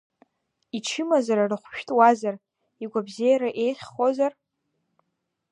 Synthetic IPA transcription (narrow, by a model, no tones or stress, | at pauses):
iʈ͡ʂʰɪmazaɾarɨχʷʃᶣtʼwazar | iɡʷabzejaɾaʔe̞jχʲχozar